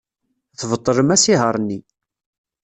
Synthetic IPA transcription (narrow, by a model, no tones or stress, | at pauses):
θvət̪ˤːələmæsiɦəɾˤnːi